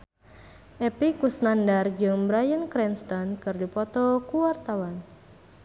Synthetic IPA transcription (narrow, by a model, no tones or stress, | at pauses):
ʔɛpikusnandard͡ʒɨŋbɾajənkɾɛnst̪ɔnkɨrdipɔt̪ɔkuwart̪awan